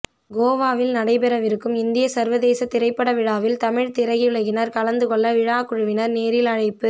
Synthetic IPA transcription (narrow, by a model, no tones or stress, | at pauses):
ɡoːʋaːʋɪlnɐɽɐɪpɛɾɐʋɪɾɯkːɯmɪnd̪ɪjɐsɐɾʋɐðeːsɐt̪ːɪɾɐɪpːɐɽɐʋɪɻaːʋɪlt̪ɐmɪɻt̪ɪɾɐɣɪɯɽɐɣɪnɐɾkɐɭɐnd̪ɯkɔɭːɐʋɪɻaːkʊɻɯʋɪnɐɾneːɾɪlɐɻɐɪpːɯ